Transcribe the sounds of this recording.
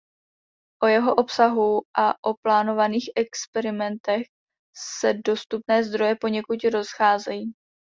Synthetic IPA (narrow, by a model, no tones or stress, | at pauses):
ʔo̞jɛɦo̞ʔo̞psaɦuʔaʔo̞plaːno̞vaniːxʔɛkspɛɾɪmɛnt̪ɛx | sɛdo̞st̪upnɛːzd̪ɾo̞jɛpo̞ɲɛkut̪ɾo̞sxaːzɛjiː